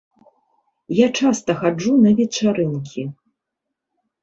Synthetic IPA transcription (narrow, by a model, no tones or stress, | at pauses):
jat͡ʂast̪ɐxad͡ʐunɐvʲɛt͡ʂaɾɨnkʲʰi